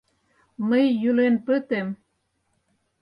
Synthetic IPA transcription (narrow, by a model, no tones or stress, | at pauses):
məjːylenpøt̪em